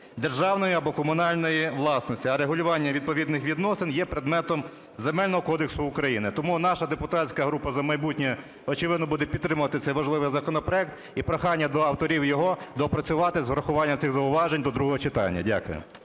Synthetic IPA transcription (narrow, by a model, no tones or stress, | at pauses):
d̪erʒɑwnɔjiɐbɔkɔmʊnɑlʲnɔjiʋlˠɑsnɔsʲtʲiɐɾeɦʊlʲʊʋɑnʲːɐʋʲid̪̚pɔʋʲid̪nɪxʋʲid̪nɔsɪnjɛpɾed̪mɛt̪ɔm | zemɛlʲnɔɦɔkɔd̪eksʊʊkɾɐjinɪt̪ɔmunɑʃɐd̪epʊt̪ɑt͡sʲkɐɦɾupɐzɐmɐjbutʲnʲɛ | ɔt͡ʃɪʋɪd̪nɔbud̪ɛpʲid̪ːɾɪmʊʋɐt̪ɪt̪sɛjʋɐʒlˠɪʋɪjzɐkɔnɔpɾɔɛk̚t̪ | ipɾɔxɑnʲːɐd̪ɔɐwt̪ɔɾʲiwjɔɦɔd̪ɔpɾɐt͡sʲʊʋɑt̪ɪzʋɾɐxʊʋɑnʲːɐmt̪ʲɪxzɐʊʋɑʒenʲd̪ɔd̪ɾuɦɔɦɔt͡ʃɪt̪ɑ̰nʲːɐ̰dʲa̰kʊjʊ̰